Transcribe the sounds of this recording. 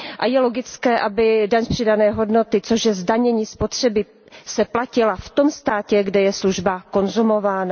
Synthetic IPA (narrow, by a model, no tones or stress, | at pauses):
ʔajɛlo̞ɡɪt͡skɛːʔabɪdaɲpr̝̥ɪdanɛːɦo̞dno̞t̪ɪt͡so̞ʒjɛzdaɲɛɲiːspo̞t̪r̝̥ɛbɪ | sɛplacɪlaft̪o̞mst̪aːcɛɡdɛjɛsluʒbako̞nzumo̞vaːna